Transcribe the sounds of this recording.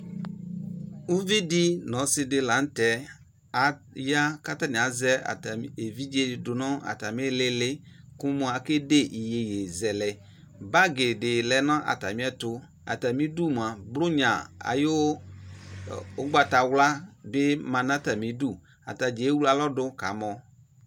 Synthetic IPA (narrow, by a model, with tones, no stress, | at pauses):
u˦vi˦di˦nɔ̃˨˦sɪ˦dɪ˦la˨˦n̩˦tɛ˨ | a˨ja˦ka˦ta˦nĩ˨a˨˦zɛ˦a̰˨ta˨e˨vi˦d͡ʒe˦˨dʊ˨nɔ˦a̰˨ta˨m˦ɛ˦lɪ˦lɪ˦ku˦mu˦a˨ke˦de˦ʔi˨je˨je˨zɛ˨lɛ˨ | ba˦ɡɪ˨dɪ˨lɛ˨nɔ̃˦ʔa̰˨ta˨mi˦ɛ˦tʊ˦ | a̰˨ta˨mi˦du˦˨m˨a˨blʊ˦ɲã˨a̰˨jo˦ | ɡ͡ba˨ta˨wla˦bɪ˦mã˨na˦ta˨mi˨˦du˦˨ | a̰˨ta˨d͡ʒe˨˦wu˦la˨lɔ˦dʊ˦ka̰˨˦mɔ˨